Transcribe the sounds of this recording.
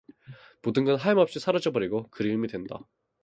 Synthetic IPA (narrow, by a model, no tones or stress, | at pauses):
modɯnɡʌnɦaimʌp̚ɕ͈isʰaɾad͡ʑʌbʌɾiɡokɯɾiɯmidwe̞nda̰